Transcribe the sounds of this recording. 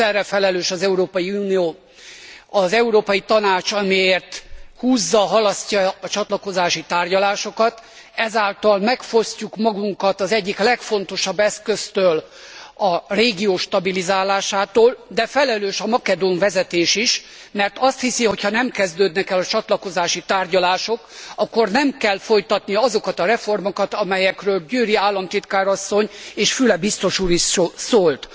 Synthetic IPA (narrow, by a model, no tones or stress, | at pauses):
ɛrɛfɛlɛløːʃɒzɛuɾoːpɒjiuːnijoː | ɒzɛuɾoːpɒjit̪ɒnaːt͡ʃɒmieːrt̪huːzːɒɦɒlɒscːɒːt͡ʃɒt̪lɒko̞zaːʃit̪aːrɟɒlaːʃo̞kɒt̪ | ɛzaːlt̪ɒlmɛkfo̞scukmɒɡuŋkɒt̪ɒzɛɟːiklɛkfo̞n̪t̪o̞ʃɒbːɛskøst̪øːl | ɒreːɡijoːʃt̪ɒbilizaːlaːʃaːt̪oːld̪ɛfɛlɛløːʃɒmɒkɛd̪oɱvɛzɛt̪eːʃiʃ | mɛrt̪ɒst̪hisiho̞cʰhɒnɛmkɛzd̪øːd̪nɛkɛlɒt͡ʃɒt̪lɒko̞zaːʃit̪aːrɟɒlaːʃo̞kɒkːo̞rnɛmkɛlfo̞jt̪ɒt̪nijɒzo̞kɒt̪ɒɾɛfo̞rmo̞kɒt̪ɒmɛjɛkrøːlɟyːɾiaːlːɒmt̪it̪kaːɾɒsːo̞ɲeːʃfylɛbist̪o̞ʃuːɾiʃosoːlt̪